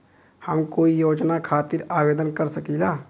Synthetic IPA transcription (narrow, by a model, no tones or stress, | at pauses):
həmkoːijoːd͡ʒnakʰaːt̪ɪɾaːʋeːd̪ənkəɾsəkilaː